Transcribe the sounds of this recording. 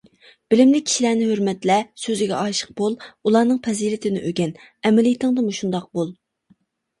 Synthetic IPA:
b̥ɪlɪmlɪk̚ʲʰːi̥ʃilænɪhøɾmɛt̪lɛsøzɪɡʲɛʔɑʃə̥q̚bolˠulˠɑːnɨŋpʰɛzilɪt̪ʰɪnɪʔøɡʲɛn | ɛmɪlijt̪ʰɨŋd̪ɨmuʃund̪ɑq̚bolˠ

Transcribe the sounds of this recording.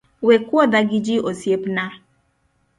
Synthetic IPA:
wekwɔdaɡɪd͡ʒiosiepna

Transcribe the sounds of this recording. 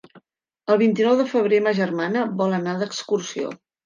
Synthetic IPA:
əlˠβ̞int̪inɔwðəfəβ̞ɾeməʒərmanəβɔlˠənaðəkskursio̰

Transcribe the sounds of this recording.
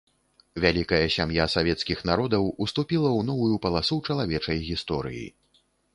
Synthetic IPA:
vʲalʲikɐjɐsʲamjasavʲɛt̪skʲixnaɾɔd̪ɐwust̪upʲilˠɐwnɔvujupɐlˠasut͡ʂɐlˠavʲɛt͡ʂɐjɣʲist̪ɔɾɨ̰jḭ

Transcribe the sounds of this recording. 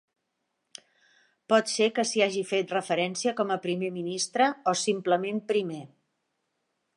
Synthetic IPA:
pɔt̪sekəsiaʒifet̪rəfəɾɛnsiəkɔməpɾimeminist̪ɾəosimpləmempɾime

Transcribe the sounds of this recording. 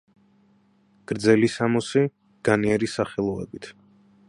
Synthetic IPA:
ɡ̥ɾd̪zɛlisamɔsi | ɡ̥aniɛɾisaχɛlˠɔɛ̰bit̪ʰ

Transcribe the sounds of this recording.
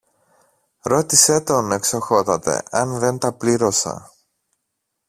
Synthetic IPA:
ɾo̞t̪ise̞t̪o̞ne̞kso̞xo̞t̪ɐt̪e̞̰ɐnðe̞nt̪ɐpliɾo̞sɐ̰

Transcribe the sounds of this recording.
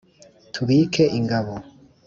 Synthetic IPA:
tʰuβiːkʰeʔiŋɡaβo

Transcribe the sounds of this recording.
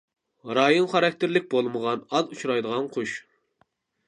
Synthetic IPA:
ɾɑːjonχɑɾɑk̚ʲt̪ʰɪɾlɪk̚ʲbolˠməʁɑnɑzut͡ʃʰɾɑjd̪əʁɑnqʰoʃ

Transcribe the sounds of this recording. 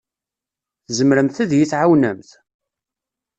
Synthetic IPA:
θzəmɾəmθəðjiθʕawnəmθ

